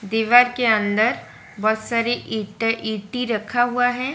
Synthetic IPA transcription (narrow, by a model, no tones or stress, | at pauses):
d̪iːʋaːɾkeɐ̃nd̪əɾ | bɔːt̪saːɾiʔiʈʔiːʈiɾɐkʰaɦuaɦɛː